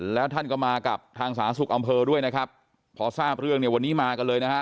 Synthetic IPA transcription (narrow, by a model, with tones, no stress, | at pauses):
lɛː˦˥wt̪ʰa˥˩nkɔ˥˩maː˧ka˨˩p̚t̪ʰaː˧ŋsaː˩˦nsu˨˩k̚ʔa˧mpʰɤː˧du˥˩əjna˦˥kʰɾa˦˥p̚ʰː | ɔː˧saː˥˩p̚ɾɯ˥˩əŋni˥˩əwa˧nːiː˦˥maː˧ka˧nlɤː˧jna˦˥kʰa˦˥ʔ